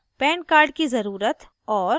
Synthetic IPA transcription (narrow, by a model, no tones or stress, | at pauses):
pɛ̃ːɳɖ̚kaːɾɖkizɐɾuːɾət̪ | ɔːɾ